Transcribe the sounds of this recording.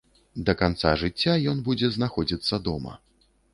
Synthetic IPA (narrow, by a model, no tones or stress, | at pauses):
d̪ɐkant̪saʐɨt͡sʲːajɔnbud͡zʲɛznaxɔd͡zʲit̪sːɐd̪ɔmɐ̰